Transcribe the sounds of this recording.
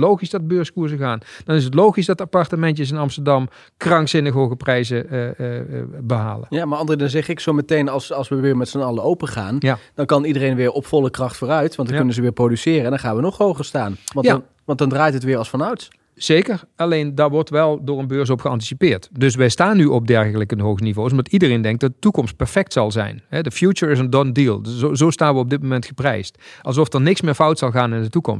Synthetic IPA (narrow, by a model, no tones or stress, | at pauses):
lowχisdɑd̚bøːɹskuɹzəɣaːndɑnɪs̬ətlowχisdɑtapɑɹtəmɛntjəs̬ɪnɑmstəɹdɑm | krɑŋksɪnəxɦoːɣəprɛjzə | bəɦa̰ːlənjaːmaɑndərədɪnəzɛχɪksowmətejnɑlˠsɑlˠsʋəʋɪːɹmɛtsənɑlˠəowpəχa̰ːnjad̥ɑnkɑnidərejnʋɪːɹʔɔpfɔlˠəkrɑχtfʊːrœɥtʋɑntdkɵnənzəʋɪːɹprodysɪːrəɛndɑnχaːnʋənɔχɦowχəɹstaːnʋɑnja | ʋɑntdɑndraːjtɦətʋɪːɹɑlˠsfɑnœɥt | z̥ejkəɹɑlejndaːɹʋɔɹtʋɛlˠdʊːɹənbøːɹs̬ɔpxəɑnti̥sipɪːɹtdɵs̬ʋɛjstaːnːyʔɔb̚dɛɹɣələkənɦowɣənivows̬ɔmdɑtidərejndɛŋk̚d̥ɑtdətukɔmst̚pɛɹfɛk̚tsɑlˠzɛ̰jnɦɛdəfjut͡ʃəɹɪzəndɔndiːlˠozowstaːnʋəɔb̚dɪt̚mowmɛntxəprɛjstʔɑlˠzɔfdəɹnɪksmɪːɹfɑwtsɑlˠɣaːnɪndətukɔ̰mst